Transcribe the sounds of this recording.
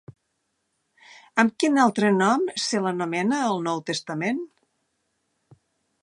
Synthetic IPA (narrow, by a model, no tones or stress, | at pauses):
əmkinalˠt̪ɾənɔmsələnomɛnəːlˠnɔwt̪əst̪əmen